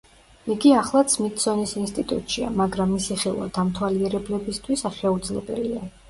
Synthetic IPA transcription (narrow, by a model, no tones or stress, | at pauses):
iɡiaχlˠat̪sʰmit̪ʰʼsɔnisinst̪ʼit̪ʼṵt̪ʼʃia̰maɡɾamːisiχɛlˠwa̰d̪̥amt̪ʰwaliɛɾɛblɛbist̪ʰwisaʃɛud̪zlɛbɛlia